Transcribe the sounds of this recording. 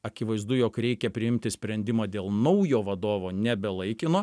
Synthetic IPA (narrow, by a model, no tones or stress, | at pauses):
ɐkʲɪʋɐɪzd̪ʊjoːkɾʲɛɪkʲɛpʲɾʲɪɪmʲt̪ʲɪsʲpʲɾʲɛnʲd̪ʲɪmɐːd̪ʲeːlˠnɐʊjoːʋɐd̪oːʋoːnʲɛbʲɛlˠɐɪkʲɪnoː